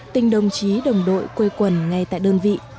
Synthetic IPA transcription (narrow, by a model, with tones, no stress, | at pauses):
t̪ï˧ŋ̟ɗə˨˩wŋ͡mt͡ɕi˨˦ɗə˨˩wŋ͡mɗo̰˧˨jkwe˧jkwə˨˩nŋa˧jt̪a̰ː˧˨jɗəː˧nvḭ˧˨